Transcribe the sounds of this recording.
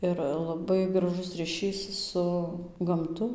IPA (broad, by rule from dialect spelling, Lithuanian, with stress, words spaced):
ˈɪr lˠɐˈbɐɪ ɡrɐˈʒʊs rʲiːˈʃʲiːs ˈsʊ ɡɐmˈtʊ